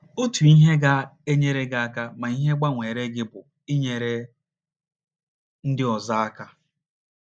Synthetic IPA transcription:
o˦tu˨i˦ɦe˦ɡa˦e˦ɲe˦ɾe˦ɡa˦a˦ka˦ma˨i˦ɦe˦ɡ͡ba˦ŋʷe˨ɾe˦ɡɪ˦bʊ˨ | ɪ˦ɲe˨ɾe˦ | n̩˦dɪ˦ɔ˨za˦a˦ka˦

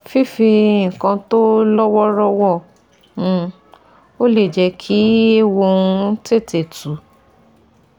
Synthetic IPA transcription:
fi˦fi˧ŋ̩˨kã˧to˦lɔ˦wɔ˦ɾɔ˦wɔ˦˨ | ũ˧ | o˦le˦˨d͡ʒɛ˧kʰi˦e˦˨wo˧ũ˧te˦˨te˨tu˨˦

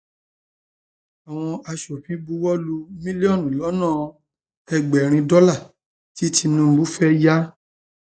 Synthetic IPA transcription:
a˨w̃ɔ̃˧a˧ʃɔ˨fĩ˨˦bu˦wɔ˦lu˧mĩ˦li˦ɔ˦˨nĩ˨lɔ˨˦nãː˦˨ | ɛ˧ɡ͡bɛ˨ɾ̃ĩ˧dɔ˦la˦˨ | ti˦tʰi˧nũ˧m̩˨˦bu˦fɛ˦ja˦

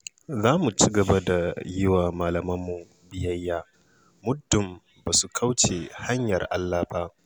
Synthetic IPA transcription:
zaː˦mu˨t͡ʃi˦ɡɐ˨ba˦da˨jɪ˦waː˨maː˨lɐ˨mɐ˦mːu˨ | bɪ˦jɐ˦jːaː˦ | mʊ˦dːʊ˨m | baː˨su˨kʰa˦wt͡ʃe˨ha˦ɲjɐ˨rʔa˦lːaː˦baː˦ʔ

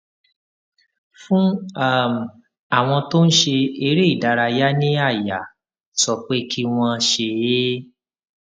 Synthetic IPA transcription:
fũ˦a˦˨m˨ | a˦˨w̃ɔ̃˧to˦n̩˦ʃe˧e˧ɾe˦i˦˨da˨˧ɾa˧ja˦nĩ˦a˦˨ja˨ | sɔ˧k͡pe˦kʰi˦w̃ɔ̃˧ʃe˧je˦

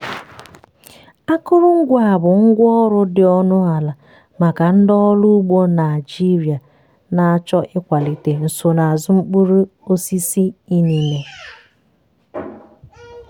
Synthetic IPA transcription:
a˦kʊ˦ɾʊ˦ŋ̩˦ɡʷa˨bʊ˨ŋ̩˦ɡʷɔ˦ɾʊ˦dɪ˨ɔ˦nʊ˦a˨la˨ | ma˨ka˨n̩˦dɔ˦lu˦ɡ͡bo˦na˨ɪ˨d͡ʒi˦ɾi˨a˨ | na˨a˦t͡ʃɔ˦ʔɪ˦kʷa˨li˦te˨n̩˨so˨na˨a˨zʊ˦ŋ͡m̩˦k͡pu˦ɾu˦o˦si˦si˦i˦ni˨me˨

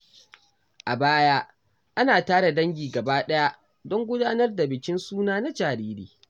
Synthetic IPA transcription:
ʔa˨baː˦jaː˦ | ʔa˦naː˨taː˦ɽa˨dɐ˦ŋɡʲiː˨ɡɐ˨baː˦ɗɐ˦ja˦ʔ | dɔ˦ŋɡʷʊ˦daː˦nɐ˦rda˨bɪ˨kʲɪ˦nsuː˦naː˦na˦d͡ʒaː˨ɾiː˦ɾḭː˨

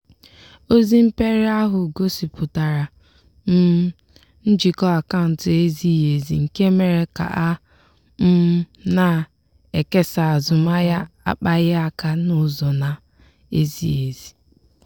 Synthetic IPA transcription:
o˦zi˦m̩˦pe˦ɾe˦a˦ɦʊ˨ɡo˦si˨pʰʊ˨ta˨ɾa˨ | n̩˦ | n̩˦d͡ʒi˨kɔ˦a˨ka˦˨n̩˨tɪ˨e˦zi˦˨e˨zi˨ŋ̩˨ke˦me˨ɾe˨ka̰˨ʔa˦ | m̩˦ | na˦˨ | e˨ke˦sa˨a˨zʊ˨ma˦ja˦a̰˦k͡pa˦ɣɪ˦a˦ka˦nʊ˦˨zɔ˨na˨ | e˦zi˦e˨zi˨

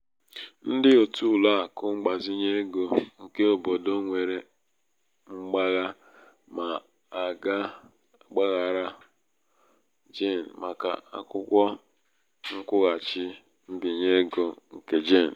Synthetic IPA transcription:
n̩˦dɪ˦o˨tu˦˨la˦˨kʊ˦ŋ͡m̩˦ɡ͡ba˨zi˦ɲe˦ɡo˨ŋ̩˦ke˦o˨bo˨do˦ŋʷe˨ɾe˨ | ŋ͡m̩˦ɡ͡ba˦ɣa˦ | ma˨ | a˨ɡa˦˨ | ɡ͡ba˦ɣa˨ɾa˦ | d͡ʒe˦˨n̩˨ma˨ka̰˨a̰˦kʊ˦kʷɔ˦ | ŋ̩˦kʷʊ˦ɣa˨t͡ʃɪ˦ | m̩˦bi˨ɲe˦ɡo˨ŋ̩˨ke˦d͡ʒe˦˨n̩˨

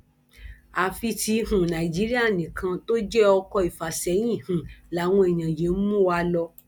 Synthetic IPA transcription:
a˨fi˧ti˧hũ˨nã˨i˨d͡ʒi˨˦ɾi˦a˦˨nĩ˨kʰã˧to˦d͡ʒɛ˦ɔ˧kɔ˧i˨fa˨sɛ˨˦j̃ĩ˦˨hũ˨la˨˦w̃ɔ̃˧e˨j̃ã˨je˨˦mũ˦wa˧˦lɔ˧

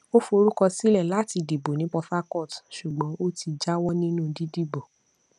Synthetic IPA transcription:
o˦fo˧ɾu˦kɔ˧si˦lɛ˦˨la˨˦˨ti˧di˨bo˨nĩ˨˦k͡pɔ˧fa˦kɔ˦˨tʃu˨ɡ͡bɔ̃˨˦o˦ti˧d͡ʒa˦wɔ˦nĩ˦nũ˦di˦di˦˨bo˨

